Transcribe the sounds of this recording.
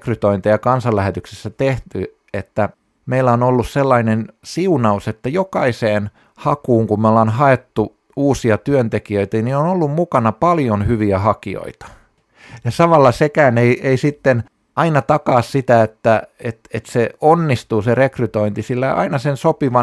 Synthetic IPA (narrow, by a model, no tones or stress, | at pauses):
kryt̪oint̪ejɑkɑnsɑlːæhet̪yksesːæt̪eht̪y | et̪ːæ | meilːæonolːusselːɑinensiunɑuset̪ːæjokɑiseːn | hɑkuːŋkummolːɑnhɑet̪ːu | uːsiɑt̪yønt̪ekiøit̪ænionolːummukɑnɑpɑljonhyʋiæhɑkio̰it̪ɑ̥ | jɑsɑʋɑlːɑsekæːneiʔeisit̪ːen | ʔɑinɑt̪ɑkɑːssit̪æet̪ːæet̪et̪seonːist̪uːserekryt̪oint̪isilːæʔɑ̰inɑsensopiʋɑ